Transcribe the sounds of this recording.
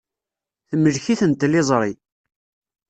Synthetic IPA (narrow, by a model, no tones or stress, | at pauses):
θəmːəlçiθənt̪ːlɪzˤɾˤi